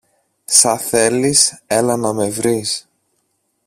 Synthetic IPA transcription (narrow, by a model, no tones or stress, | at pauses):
sɐθe̞liselɐnɐme̞vɾis